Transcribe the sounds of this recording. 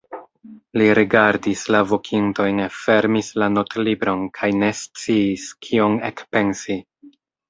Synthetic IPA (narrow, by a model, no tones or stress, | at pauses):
liɾiɡaɾdislavo̞kʰinto̞jnfe̞ɾmislano̞tlibɾo̞nkʰajne̞st͡siːskʰio̞nekpe̞nsi